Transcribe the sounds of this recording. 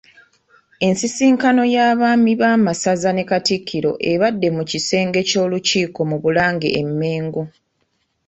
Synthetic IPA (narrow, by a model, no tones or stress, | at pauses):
e̞nsisiːŋkano̞jaːβaːmiβaːmasazane̞katikʰːiɾo̞̰ʔeβadːe̞mucise̞ːŋɡe̞co̞ːluciːko̞muβulaːŋɡḛʔːmːe̞ːŋɡo